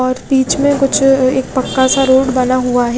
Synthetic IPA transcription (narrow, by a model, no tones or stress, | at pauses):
ɔːɾbiːt͡ʃmẽkʊt͡ʃʰeːk̚pɐkːasaɾoːɽbɐnaɦuaɦɛ